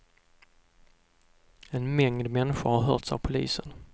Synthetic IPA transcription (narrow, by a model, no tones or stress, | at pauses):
ɛnmɛŋd̪mɛnːɪɧʊɾhaɾɦœ̰ːʈsa̰vpʰʊlḭːsən